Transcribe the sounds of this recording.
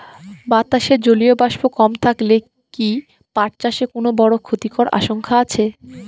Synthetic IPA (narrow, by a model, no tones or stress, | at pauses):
bat̪aʃeɾd͡ʑoliobaʃbokɔmt̪ʰakle | ki | paʈt͡ɕaʃekonobɔɽokʰot̪ikoɾʔa̰ʃoŋkʰaat͡ɕʰe